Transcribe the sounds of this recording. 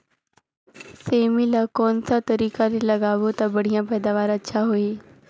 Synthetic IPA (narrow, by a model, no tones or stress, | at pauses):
seːmilakɔːnsat̪ɐɾiːkalelɐɡaːʋot̪abɐɽijãpɛːd̪aːʋaːɾɐtːʃʰaɦoiː